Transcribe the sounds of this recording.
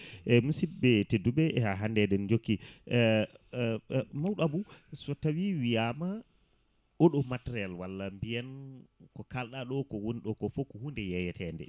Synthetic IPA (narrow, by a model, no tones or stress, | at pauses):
ʔɛmusid̚bɛtedːuɓɛɛhaɦandɛdɛnd͡ʒokːi | mawɗabusɔtːawiwijaːma | ɔɗɔmatɛɾalwalːambijankɔkalɗaɗɔkɔwonɗɔkɔfɔkːɔhundɛjɛjɛtʰɛndɛ̰